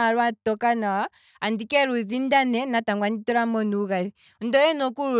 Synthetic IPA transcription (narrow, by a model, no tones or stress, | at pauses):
aɾwatɔkana | andikɛɾuzindanɛnataŋɡwanitɔɾamɔnuɣaðin̩dɔjɛnɔkuɾu